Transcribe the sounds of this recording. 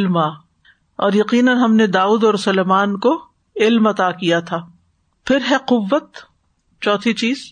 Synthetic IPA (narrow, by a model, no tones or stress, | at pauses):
lmaː | ɔ̰ːɾjɐqiːnənɦɐmned̪aːuːd̪ɔːɾsʊleːmaːnko | ɪlmɐt̪aːkijat̪ʰaː | pʰɪɾɦɛqʊʋːət̪ | t͡ʃɔːt̪ʰit͡ʃiːz̥